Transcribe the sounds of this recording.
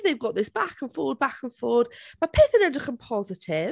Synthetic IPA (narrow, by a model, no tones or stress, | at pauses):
ðeɪvɡɔʔðɪsb̥akʰə̃nfɔːwəd̚bakə̃nfɔːəd̥məpʰɪθə̃nɛ̃ndəkʰə̃mpʰɔzɪtʰɪ